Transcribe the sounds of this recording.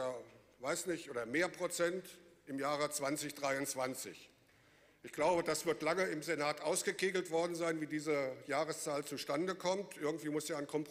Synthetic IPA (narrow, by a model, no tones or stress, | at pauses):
ʔodɐvaɪsnɪçtʔoːdɐmeːɐpʁ̥ot͡sɛntʔɪmjaːʁət͡sv̥ant͡sɪçd̥ʁaɪʊnt͡sv̥ant͡sɪ̰ç | ʔɪçɡ̥laʊbədasv̥ɪɐtlaŋəɪmzenaːtʔaʊsɡ̥əkeːɡl̩tv̥ɔɐdn̩zaɪnviːdiːzəjaːʁ̞əst͡saːlt͡suʃtandəkʰɔmtʔɪɐɡŋ̩tv̥iːmʊsaːankʰɔmpʁ